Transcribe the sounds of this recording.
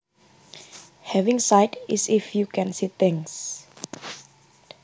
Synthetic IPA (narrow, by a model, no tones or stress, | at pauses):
hɛvĩŋsaɪtisifjukʰɛ̃nsit̪ĩŋs